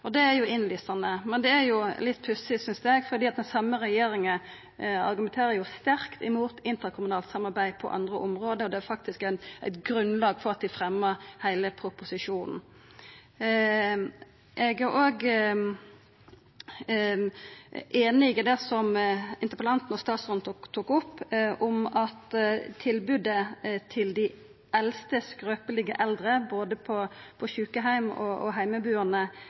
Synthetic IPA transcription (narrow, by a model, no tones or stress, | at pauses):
ɔd̪ɛæɾjʊɪnlysɑnəmɛnd̪ɛæɾjʊlɪt̪ːpʰʉsɪsʏnsd̪əɛɡfɔɾd̪iːɑt̪̚d̪ɛnsɑmːəɾɛjeːɾɪŋə | ɑ̰ɾɡʉmɛnt̪ʰeːɾəjʊst̪æɾkt̪ɪmuːt̪ɪnt̪əɾkʰʊmʉnɑːlt̪sɑmɑɾbæɪpʰɔ̰ʔɑ̰nd̪ɾəʔɔmɾoːd̪əɾɔd̪ɛæɾfɑkt̪ɪskæɪnʔæɪt̪ɡɾʉnlɑːɡfɔɾɑt̪̚d̪ɪfɾɛmːəɾhæɪləpʰɾʊpʊsɪʂuːnn̩ | ʔɛɡæʁʔoːɡ | ʔeːnɪɡəd̪ɛsɔmɪnt̪əpəlɑnt̪n̩ɔst̪ɑːt̪sʁɔnt̪t̪ʰːuːkʊpːʔʊmɑt̪t̪ʰɪlbʉd̪ət̪ʰɪld̪ɪ | ʔɛlst̪əskɾøːpəlɪɡəʔɛld̪ʁəboːd̪əpʰɔpʰɔɕʉːkəɦæɪmɔ̰ɔ̰ɦæɪməbʉːənə